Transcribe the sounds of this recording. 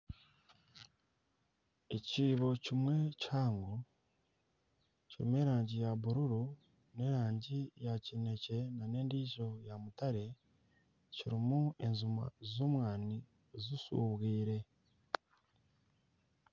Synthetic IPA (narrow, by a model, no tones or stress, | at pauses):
ecciːβo̞cimwe̞caːŋɡo | ciɾḭme̞ːɾaːɲɟijaβuɾuɾu | ne̞ːɾaːɲɟijacine̞ce̞nane̞ːndiːʒo̞jamutaɾe̞ | ciɾimue̞nzuma̰zoːmwaːni | zusṵːβwiːɾe̞